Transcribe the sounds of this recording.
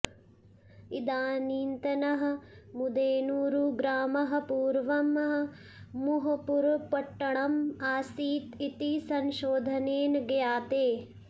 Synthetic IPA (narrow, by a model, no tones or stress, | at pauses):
id̪aːniːnt̪ɐnɐɦɐ̆mud̪eːnuːɾuɡɾaːmɐɦɐ̆puːɾʋɐmɦɐː | uɦɐpuɾpɐʈːɐɳɐmaːsiːt̪it̪isɐnʃoːd̪ʱɐneːnɐɡɐjaːt̪eː